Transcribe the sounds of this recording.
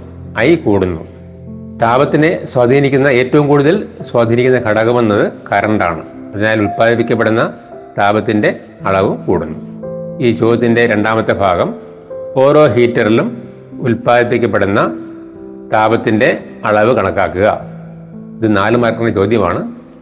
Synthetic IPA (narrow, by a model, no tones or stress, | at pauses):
ɐjkuːɽunːṵ | t̪aːbɐt̪ːineswad̪ʱiːnikʲːunːɐe̞ːtːɐʋumkuːɽuðɐlswaːd̪ʱiːnikʲːunːɐkʰɐɽɐkːɐmɐnːɐðɨkɐɾɐɳɖa̰ːɳɨ̰ | pɐðiɲaːjlulpaːd̪ip̬ːikʲːɐp̬ːeɽunːɐ | t̪aːbɐt̪ːinde̞ | ɐɭɐʋɨkuːɽunːuiːt͡ɕo̞ːd̪ɐt̪ːinde̞ɾe̞ɳɖaːmɐt̪ːebʱaːɡɐm | o̞ːɾo̞ːɦiːtːɐrilum | ulpaːd̪ipːikʲːɐp̬ːeɽunːɐ | t̪aːbɐt̪ːinde̞ | ɐɭɐʋɨkɐɳɐkːaːkːuɣɐ̰ | iðɨnaːlɨmɐɾɐkːɐnːɐt͡ɕo̞ːd̪ʱjɐma̰ːɳɨ